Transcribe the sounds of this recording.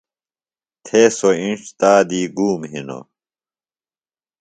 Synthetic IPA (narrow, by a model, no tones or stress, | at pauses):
t̪ʰesoĩnʂt̪aːd̪iːɡuːmɦino̰